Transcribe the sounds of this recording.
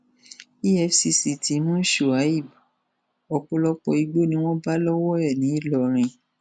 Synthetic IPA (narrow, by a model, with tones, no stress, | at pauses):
i˦ɛ˧fsi˧si˧ti˨˦mũ˦ʃu˦˨a˨˦i˦˨b | ɔ˨k͡pɔ˧lɔ˧k͡pɔ˧i˧ɡ͡bo˦˨nĩ˧˦w̃ɔ̃˦ba˦lɔ˦wɔ˦ɛ˦˨nĩ˨˦i˦˨lɔ˨˧ɾ̃ĩ˧